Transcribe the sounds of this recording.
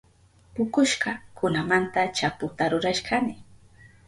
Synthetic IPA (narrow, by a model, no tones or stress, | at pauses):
pʊkʊʃɢɑkʰʊnamant̪at͡ʃapʊt̪aɾʊɾaʃkanɪ